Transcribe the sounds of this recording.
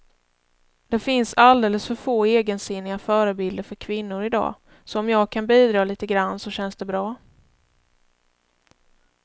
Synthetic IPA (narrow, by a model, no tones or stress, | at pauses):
d̪̥ɛfɪnsald̪eːləsfœɾfoːeːɡənsɪnːɪɡafœːɾəbɪld̪əɾfœɾkʰvɪnːʊɾɪd̪ɑ̰ː | sɔɔmjɑːɡ̚kʰanbiːd̪ɾɑːliːt̪əɡɾanːsɔɕɛnsd̪ɛbɾɑː